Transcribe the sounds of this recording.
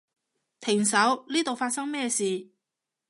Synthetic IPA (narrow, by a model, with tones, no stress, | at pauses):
t̪ʰɪ˨˩ŋsɐ˨˥wniː˥t̪o˨wfaː˧t̚sɐ˥ŋmɛː˥siː˨